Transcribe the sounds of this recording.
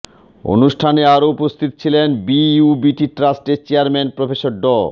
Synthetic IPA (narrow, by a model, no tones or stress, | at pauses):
o̰nuʃʈʰaneaɾoupost̪ʰit̪o̥t͡ɕʰilenbiubiʈiʈɾasʈet͡ɕeaɾmenpɾofeʃoɾɖɔ